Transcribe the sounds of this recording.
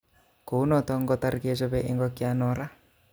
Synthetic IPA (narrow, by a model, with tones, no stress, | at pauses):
ko˨u˦nɔ˨t̪ɔ˦ŋ˦ɡɔ˦t̪a˦ɾi˨ki˦e˦t͡ʃɔ˦βɛ˦ʔɪ˦ŋɡɔ˦ki˦a˦nɔ˨ɾa˦